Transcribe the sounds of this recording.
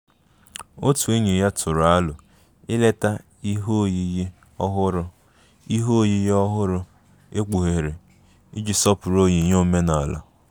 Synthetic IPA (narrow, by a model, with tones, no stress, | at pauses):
o˦tu˨e˦ɲe˨ja˦tʰʊ˨ɾʊ˨a˦lʊ˨ | ɪ˦le˦ta˦ | i˦ɦo˦˨ji˦je˦ | ɔ˦ɦʊ˦ɾʊ˦ | i˦ɦo˦˨ji˦jɔ˦ɦʊ˦ɾʊ˦ | e˦k͡pu˨ɦe˨ɾe˨ | ɪ˦d͡ʒi˨sɔ˦pʊ˨ɾo˦ɲe˨ɲo˦˨me˦na˨la̰˨